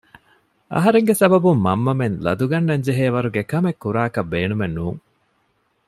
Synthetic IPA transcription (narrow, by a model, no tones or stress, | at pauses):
ʔɐ̰ɦɐɾeŋɡesɐbɐbumːɐmːɐmenlɐ̰d̪uɡɐnːɐɲd͡ʒeɦeːʋɐɾuɡekɐmekːuɾaːkɐbːeːnumenːuːŋ